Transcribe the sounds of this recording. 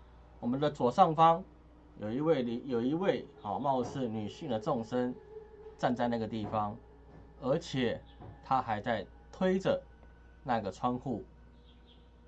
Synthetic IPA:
wɔ˨˩mə˨nd̪ə˨t͡swɔ˨˩ʂɑ˥˩ŋfɑ˦ŋ | jo˨i˧we˥˩˨jo˨˩ʊi˧˦we˥˨ɪhʊmɑ˥˧ʊʂ̩˥˩ny˨˩ɕi˥˩ŋd̪ə˩t͡so˥˨ŋʂə˦nt͡sa˥˧nt͡sa˥˧ɪna˥˩ɡə˩t̪i˥˩fɑ˦ŋ | ə˧˥t͡ɕʰjɛ˨˩ | t̪ʰa˦xa˧˥ɪt͡sa˥˩ɪ | t̪ʰwe˦ɪʈ͡ʂə˨ | na˥˧ɡə˩t͡sʰwa˥nxu˥˩

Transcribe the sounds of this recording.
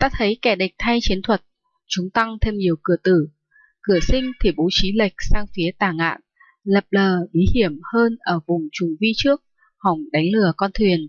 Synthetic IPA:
t̪aː˧t̪ʰə˨˦jkɛ˧˩ɗï˨˩k̟̚t̪ʰa˧jt͡ɕi˨˦ənt̪ʰwə˨˩t̚ | t͡ɕʊ˨˦ŋ͡mt̪a˧ŋt̪ʰe˧mɲi˨˩əwkɨ˧˩ət̪ɨ˧˩ | kɨ˧˩əsï˧ŋ̟t̪ʰi˨˩ɓo˨˦t͡ɕi˨˦lə˨˩jk̟̚saː˧ŋfi˨˦ət̪aː˧˩ŋa̰ː˧˨n | lə˨˩p̚ləː˨˩ɓi˨˦hi˧˩əmhəː˧nʔəː˧˩vʊ˨˩ŋ͡mt͡ɕʊ˨˩ŋ͡mvi˧t͡ɕɨ˦˥ək̚ | ha˨˩wŋ͡mɗa˨˦jŋ̟lɨ˧˩əkɔ˧nt̪ʰwi˨˩ən

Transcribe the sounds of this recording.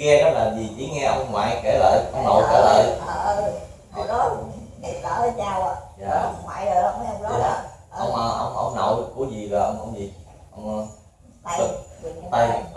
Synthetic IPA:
ŋɛ˧ɗɔ˨˦laː˨˩zi˨˩t͡ɕi˨˦ŋɛ˧ʔə˧wŋ͡mŋwa̰ː˧˨jke˧˩lə̰ː˧˨jʔə˧wno̰˧˩jke˧˩lə̰ː˧˨j | ɔ˨˦ | i˨˩a˧˦ə˨˦t͡ɕaː˧wa˨jaː˨˩ŋwa̰ː˧˨jəː˨˩jwm˧˦ə˧wŋ͡mə˨˧˦ʔə̰˧wŋ͡mʔəː˧˩ʔə̰˧wŋ͡mʔə̰˧wŋ͡mno̰˧˩jɗɨ˨˩kːu˨˧˦əzi˨˩və˨˩ʔə˧wŋ͡mʔə̰˧wŋ͡mzi˨˩ | ʔə˧wŋ͡mə˧˦˧ | a˧j

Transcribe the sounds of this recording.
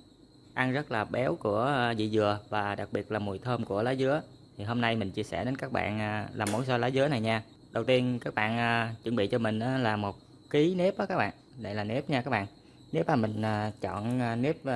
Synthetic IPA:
ʔa˧nzə˦˥t̚laː˨˩ɓɛ˨˦wku˧˩ə˧zḭ˧˨zɨ˨˩əvaː˨˩ɗa˨˩k̚ɓi˨˩ət̚laː˨˩mu˨˩jt̪ʰəː˧mku˧˩əlaː˨˦jzɨ˨˦ə | t̪ʰi˨˩ɦo˧mna˧jmï˨˩ŋ̟t͡ɕi˧əsɛ̰˧˩ɗe˨˦nkaː˦˥k̚ɓa̰ː˧˨nː˧laː˨˩mo˨˦nsɔ˧jlaː˨˦jzɨ˨˦əna˨˩jɲaː˧ | ɗə˨˩wt̪i˧ənkaː˦˥k̚ɓa̰ː˧˨nʔa˨t͡ɕə˧˩nɓḭ˧˨t͡ɕɔ˧mï˨˩ŋ̟ʔaː˨˦laː˨˩mo˨˩t̚ | ki˨˦ne˦˥p̚ʔaː˨˦kaː˦˥k̚ɓa̰ː˧˨nɗə̰˧˨jlaː˨˩ne˦˥p̚ɲaː˧ka˦˥k̚ɓa̰ː˧˨n | ne˨˦˥p̚maː˨˩mï˨˩ŋ̟ʔaː˨˩t͡ɕɔ̰˧˨nː˨˩ne˦˥p̚

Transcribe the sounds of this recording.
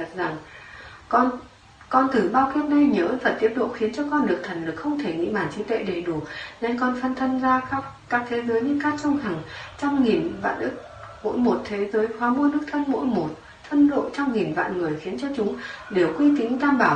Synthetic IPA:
a˨˩t̚za˨˩ŋkɔ˧ | kɔ˧nt̪ʰɨ˨˩ɓaː˧wki˦˥əp̚na˧jɲəː˨˦vaː˨˩t̪i˦˥əp̚ɗo̰˧˨xi˨˦nt͡ɕɔ˧kɔ˧nɗɨ˨˩ək̚t̪ʰə˨˩jŋlɨ˨˩k̚xə˧wŋ͡mt̪ʰe˧˩ŋḭ˧˨ɓaː˧˩nt͡ɕi˨˦t̪wḛ˧˨ɗe˨˩ɗu˧˩ə˩ne˧nkɔ˧nfə˧nt̪ʰə˧nzaː˧kaː˦˥kkaː˦˥k̚t̪ʰe˨˦zəː˨˦jɲɨ˧kaː˦˥k̚t͡ɕə˧wŋ͡mɦa˨˩ŋt͡ɕwŋ͡mŋi˨˩nva̰ː˧˨nʔɨ˦˥k̚ | mo̰˧˥jmo˨˩t̚t̪ʰe˨˦zəː˨˦jhwaː˨˦mo˧nɗɨ˦˥k̚t̪ʰə˧nmo̰˧˥jmo˨˩t̚ | t̪ʰə˧nɗo̰˧˨t͡ɕɔ˧wŋ͡mŋi˨˩nva̰ː˧˨nŋɨ˨˩əjxi˨˦ənt͡ɕɔ˧t͡ɕʊ˨˦ŋ͡mɗe˨˩wkwi˧t̪ï˨˦ŋ̟t̪aː˧mɓaː˧˩w

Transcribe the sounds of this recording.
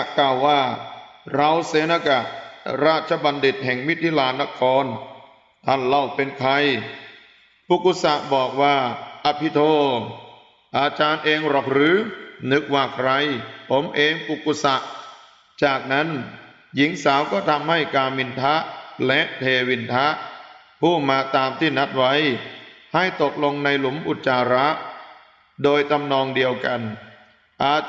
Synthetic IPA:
kaː˨˩wːaː˥˩ɾa˧wseː˨˦na˧ka˨˩ʔɾaː˥˩t̪̚t͡ɕʰa˧˦ba˧ndi˨˩t̪̚hɛ˨˩ŋmi˦˥˩t̪ʰːi˧˥laː˧nːa˦˧˥kʰɔː˧˥n | t̪ʰa˥˩nla˥˩wpe˧nkʰa˧j | pu˧˩kːu˧˩sa˨˧˩ʔbɔː˨˩k̚waː˥˩ʔa˧˥pʰi˦˥t̪ʰoː˧˩ | ʔaː˧t͡ɕaː˧nʔeː˧ŋɾa˨˩k̚ɾɯː˨˦˥nɯ˦˥k̚waː˥˩kʰɾa˧jpʰo˩˦mʔeː˧ŋpu˨˩ku˧˩sa˨˩ʔ | t͡ɕaː˨˩k̚na˦˥n | ji˩˦ŋsaː˩˦wkɔː˥˩t̪ʰa˧mha˥˩jkaː˧mːi˧nt̪ʰa˦˥ʔlɛ˦˥ʔt̪ʰeː˧wi˧nt̪ʰa˦˥ʔ | pʰuː˥˩maː˧t̪aː˧mt̪ʰiː˥˩na˦˥t̪̚wa˦˥jha˥˩jt̪o˨˩k̚lo˧ŋna˧jlu˨˩˦mʔu˨˩t̪̚t͡ɕaː˧ɾa˦˥ʔ | doː˧jt̪a˧mnɔː˧ŋdi˧əwka˧n | ʔaː˨˩

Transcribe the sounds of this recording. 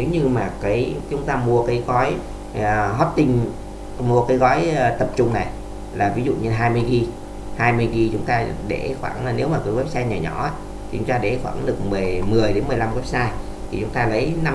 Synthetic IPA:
ne˨˦wɲɨ˧maː˨˩kaː˨˦jt͡ɕʊ˨˦ŋ͡mt̪aː˧mu˧əkaː˨˦jɣɔ˨˦j | ɦɔ˦˥t̚t̪ï˧ŋ̟ | mu˧əkaː˨˦jɣɔ˨˦jt̪ə˨˩p̚t͡ɕʊ˧ŋ͡mna˨˩j | laː˨˩vi˨˦zṵ˧˨ɲə˧nɦaː˧jmɨ˧jɣi˧ | haː˧jmɨ˧əjɣi˧t͡ɕʊ˨˦ŋ͡mt̪aː˧ɗe˧˩xwaː˧˩ŋ˧ne˨˦wmaː˨˩kɔ˨˦jɣwp̚saː˧jɲaː˨˩ɲɔ̰˧˩aː˨˧˦ | t̪ʰi˨˩t͡ɕʊ˨˦ŋ͡mt̪aː˧ɗḛ˧˩xwa̰ː˧˩ŋɗɨ˨˩ək̚mɨ˨˩jmɨ˨˩əjɗe˨˦nmɨ˨˩jla˧mɣɛ˦˥p̚saː˧j | t̪ʰi˨˩t͡ɕʊ˨˦ŋ͡mt̪aː˧lə˨˦jna˧

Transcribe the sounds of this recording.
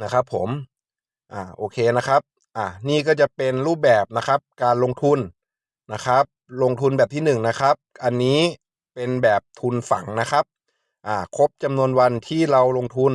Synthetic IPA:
na˦˥kʰa˦˥pʰːo˩˦m | ʔaː˧˩ʔoː˧kʰeː˧na˦˥kʰa˦˥p̚ | ʔa˧˩niː˥˩kɔː˥˩t͡ɕa˨˩pe˧nɾuː˥˩p̚bɛː˨˩p̚na˦˥kʰa˦˥p̚kaː˧nlo˧ŋt̪ʰu˧n | na˦˥kʰa˦˥p̚lo˧ŋt̪ʰu˧nbɛː˨˩p̚t̪ʰiː˥˩nɯ˨˩ŋna˦˥kʰa˦˥p̚ʔa˧nːiː˦˥ | pe˧nbɛː˨˩p̚t̪ʰu˧nfa̰˩˦ŋna˦˥kʰa˦˥p̚ | ʔaː˧˩kʰo˦˥p̚t͡ɕa˧mnu˧ənwa˧nt̪ʰiː˥˩ɾa˧wlo˧ŋt̪ʰu˧n

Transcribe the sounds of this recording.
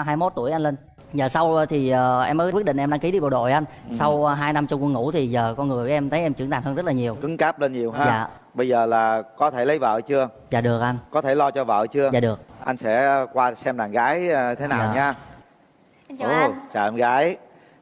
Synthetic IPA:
ɦaː˧jmo˦˥t̚t̪u˧˩əjʔa˧ŋ̟le˧n | zəː˨˩sa˧wt̪ʰi˨˩ʔəː˨˩ʔɛ˧məː˨˦kwi˦˥t̚ɗï˧˨ŋʔɛ˧mɗa˧ŋki˨˦ɗi˧va˨˩ɗo̰˧˨jʔa˧jn̟sa˧wɦaː˧jna˧mt͡ɕʊ˧ŋ͡mkə˧ŋṵ˧˥t̪ʰi˨˩zəː˨˩kɔ˧nŋɨ˨˩əjʔɛ˧mt̪ʰə˨˦jʔɛ˧mt͡ɕɨ˧˩˥ŋt̪aː˨˩nhə˧nzə˦˥t̚laː˨˩ɲi˨˩əwkɨ˨˦ŋkaː˦˥p̚le˧nɲi˨˩əwɦaː˧za̰ː˨˧˨ | ɓə˧jzəː˨˩laː˨˩kɔ˨˦t̪ʰe˧˩lə˨˦jvə̰ː˧˨t͡ɕɨ˧ə | zaː˨˩ɗɨ˨˩ək̚ʔa˧jnkɔ˨˦t̪ʰe˧˩lɔ˧t͡ɕɔ˧və̰ː˧˨t͡ɕɨ˧əzaː˨ɗɨ˨˩ək̚ʔa˧jŋ̟sɛ̰˧˥kwaː˧sɛ˧mɗaː˨˩ŋɣaː˨˦jt̪ʰe˨˦naː˨˩wɲaː˧˨˧ | t͡ɕa̰ː˨˩ʔɛ˧mɣaː˨˦j

